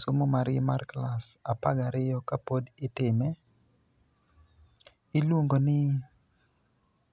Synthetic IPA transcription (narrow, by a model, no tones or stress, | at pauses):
somomaɾɪmarklasapaɡaɾɪjɔkapodɪtɪmɛ | ɪlwoŋɡonɪ